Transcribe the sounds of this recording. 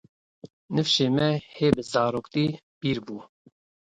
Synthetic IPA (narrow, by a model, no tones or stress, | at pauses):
nɨfʃeːmɛheːbɨzɑːɾoːkt̪iː | b̥iːɾbuː